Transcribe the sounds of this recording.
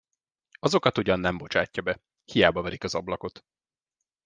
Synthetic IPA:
ɒzo̞kɒt̪uɟɒnːɛmbo̞t͡ʃaːcːɒbɛ | hijaːbɒvɛɾikɒzɒblɒko̞t̪

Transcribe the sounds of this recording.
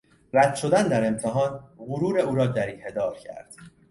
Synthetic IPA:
ɾæd̪̥ʃo̞d̪ænd̪æɾe̞mt̪ʰeɦɒːnɣʊɾuːɾe̞uːɾɒːd̪æɾiːhe̞d̪ɒːɾcʰæ̰ɾd̪̥

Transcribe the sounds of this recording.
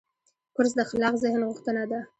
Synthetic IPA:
kʊɾs̬d̪əxalɑqzɪhnɣʊxt̪ənad̪a

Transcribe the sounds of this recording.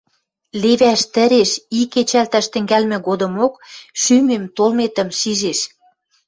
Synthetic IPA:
leβæʃt̪ə̆ɾeʃiket͡ɕælt̪æʃt̪ə̆ŋɡælmɘ̆ɣod̪ɤ̆mokʃymemt̪olmet̪ə̆mʃiʒeʃ

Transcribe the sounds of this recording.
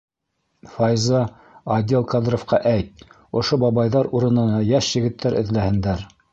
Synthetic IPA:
fɑjzɑ | ɑd̪ʲelˠkɑd̪ɾŏfqɑʔæjt̪̚ | ŏʃobɑβɑjðɑɾuɾɤ̆nɤ̆nɑjɑʃjɘ̆ɡɘ̆t̪ːæɾʔɘ̆ðlæhɘ̆nd̪æɾ

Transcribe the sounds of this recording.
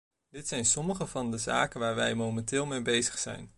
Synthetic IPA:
dɪtsɛjnsɔməχəvɑndəza̰ːkənʋaːɹʋɛjmowmɛntɪːlˠmejbejzəχsɛ̰jn

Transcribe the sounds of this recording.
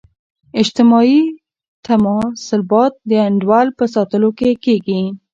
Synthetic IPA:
ɪd͡ʒt̪ɪmɑi | t̪amɑsɪlbɑt̪̚d̪əaɳɖwɑlpəsɑt̪əlokekeɡi

